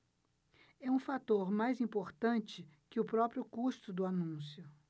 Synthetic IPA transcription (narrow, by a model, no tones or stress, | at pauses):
ɛũfat̪oɾmajzĩmpoɾt̪ɐ̃nt͡ʃɪkɪʊpɾɔpɾjʊkuʃt̪ʊd̪ʊanũsjʊ